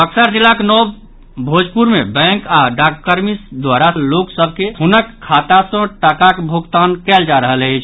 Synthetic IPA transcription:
əksəɾd͡ʒilːakenɔb | bʱod͡ʒpuɾmebɛ̃ŋkaɖakkːəɾmisd̪waɾaloksəb̚ʱkeɦunəkʰːat̪asə̃ʈəkakbʱoɡt̪ankɛld͡ʒaɾəɦələɪt͡ʃʰ

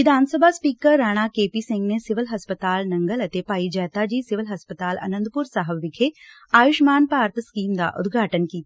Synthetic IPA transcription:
ʋɪd̪ʱaːnsəbʱaspiːkəɾːaːɽ̃akeːpisɪ̃ŋɡnesɪʋəlɦɐspət̪aːlnɐ̃ŋɡəlɐt̪epaːid͡ʒɛːt̪ad͡ʒiːsɪʋəlɦɐspət̪aːlɐ̰nə̃nd̪pʊɾsaːɦəbʋɪkʰe | aːjʊʃmaːnpaːɾt̪ʰskiːmd̪a̰ʔʊ̰d̪ɡʱaːʈənkiː

